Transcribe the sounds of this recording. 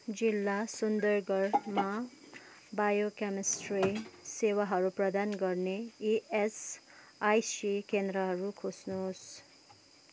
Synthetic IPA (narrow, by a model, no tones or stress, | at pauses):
d͡zilːasund̪ʌrɡʌrma | bajokemisrisewaɦʌɾuprʌd̪anɡʌrneies | ajsikend̪ɾʌɦʌɾukʰosnos